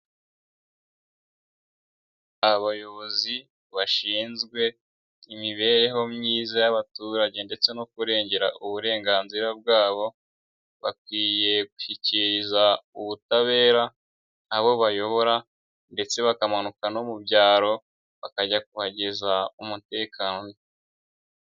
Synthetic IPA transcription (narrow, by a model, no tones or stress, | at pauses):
aβajo̞βo̞zi | βaʃiːnzɡwe̞ | imiβe̞ːɾe̞ɦo̞mɲiːzajaβatuːɾaɟe̞nde̞t͡se̞nokuɾe̞ːɲɟe̞ɾaʔuβuɾe̞ːŋɡaːnziɾab̚ɡaːβo̞ | βakwiːje̞ɡuʃiciɾizauβutaβe̞ːɾaː | βo̞βajo̞βo̞ɾa | nde̞t͡se̞βakamanukano̞mubɟaːɾo̞ | βakaɟak̚uhaɟezaumute̞ːkʰaːnon